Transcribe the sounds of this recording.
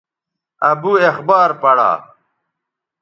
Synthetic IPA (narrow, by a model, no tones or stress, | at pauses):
ɐbuexbaːɾpɐɽa̰ː